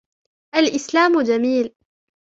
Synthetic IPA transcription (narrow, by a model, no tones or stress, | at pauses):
ʔalʔɪslaːmʊd͡ʒamiːl